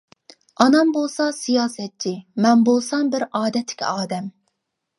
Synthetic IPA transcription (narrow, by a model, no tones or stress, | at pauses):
ɑnɑmbolˠsɑsijɑːsɛt̪̚t͡ʃʰimɛnbolˠsɑmbɪɾɑːd̪ɛt̪ʰːɪ̥kʲʰɑːd̪ɛm